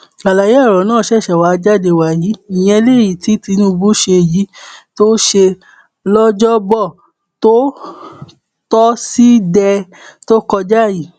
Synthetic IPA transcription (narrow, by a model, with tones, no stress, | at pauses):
la˨la˨je˦˨ɾɔ˨nãː˦˨ʃɛ˦˨ʃɛ˨wa˨˦˧d͡ʒa˦˨de˧wa˨ji˨˦i˨j̃ɛ̃˧le˦˨ji˨ti˨˦ti˧nũ˦˧bu˦ʃe˧˨ji˨˦to˦ʃe˧ | lɔ˦d͡ʒɔ˦bɔ˦˨ | to˦ | tɔ˦si˦dɛ˧ | to˦kɔ˧d͡ʒa˦˨ji˨˦